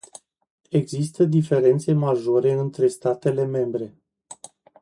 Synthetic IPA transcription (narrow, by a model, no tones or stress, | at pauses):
e̞ɡzist̪əd̪ife̞ɾe̞nt̪se̞maʒo̞ɾe̞ɨnt̪ɾe̞st̪at̪e̞le̞me̞mbɾe̞